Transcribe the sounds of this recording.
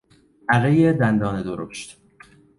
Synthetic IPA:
ʔæɣejed̪ænd̪ɒːned̪oɾo̰ʃt̪

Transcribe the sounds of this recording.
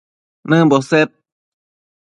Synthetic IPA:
nɯːbɔːset̪̚

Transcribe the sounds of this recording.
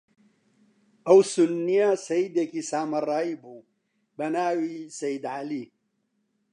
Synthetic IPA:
ɐwsunːijasɐjid̪ekisaːmɐrˤːɑːibu | bɐnaːwisɐjɪd̪ʕali

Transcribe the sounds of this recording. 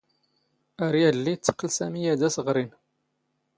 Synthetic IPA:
æɾjælːit͡sːə̥qːəlsæmijæd̪æsəʁɾin

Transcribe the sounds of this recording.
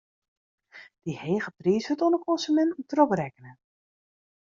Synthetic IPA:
d̥iheːχəpriːsətɔnəkʰɔnsymɛnt̩trɔprɛkənə

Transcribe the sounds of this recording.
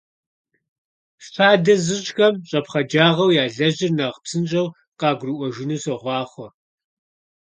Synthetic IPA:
fʰaːdɐzɨɕʼxɐmɕʼɐpχɐd͡ʒaːʁɐwjaːɮɐʑɪrnɐʁpsɨnt͡ʃʼɐw | qɑːɡʷrɨʔʷɔʒɪnusɐʁʷɑːχʷɔr

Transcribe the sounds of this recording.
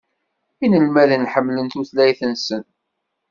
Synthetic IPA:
inəlmæðənħəmːlənt̪uθlæjθənsən

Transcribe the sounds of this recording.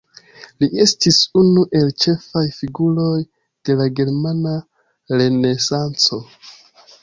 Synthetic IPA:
liʔe̞stisunuʔe̞lt͡ʃe̞fajfiɡulo̞j | d̥e̞laɡe̞ɾmana | ɾe̞ne̞sant͡so̞

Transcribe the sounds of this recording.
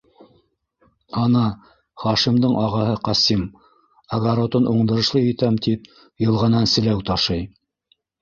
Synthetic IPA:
ɑnɑ | χɑʃimd̪ɤɴʔɑʁɑɦɤqɑsim | ɐɡaɾot̪ɤnʔuɴd̪ɤ̆ɾɤ̆ʃlˠɤjɘ̆t̪æmt̪ip̚ | jɤ̆lˠʁɑnɑnsɘ̆læwt̪ɑʃɤj

